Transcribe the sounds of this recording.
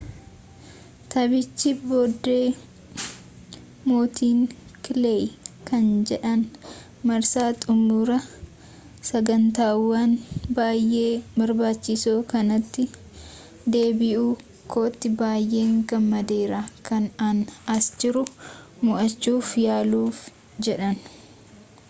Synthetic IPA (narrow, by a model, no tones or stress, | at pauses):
t̪ɐbɪt͡ʃːɪboːd̪ːeː | moːt̪ʰiːŋkɪlejkɐnd͡ʒɛᶑɐn | mɐɾsaːt̪ʼʊmuːɾɐ | sɐɡɐnt̪aːwːanbaːjʔːe̞ːbɐɾbaːt͡ʃːɪsoːkɐnɐt̪ːɪ | d̪e̞ːbɪʔuː | kʰoːt̪ːɪbaːjʔe̞ːŋɡɐmːɐd̪e̞ːɾakɐnɐnɐsd͡ʒɪɾʊmʊʔɐt͡ʃːuːfjaːluːf | d͡ʒɛᶑɐn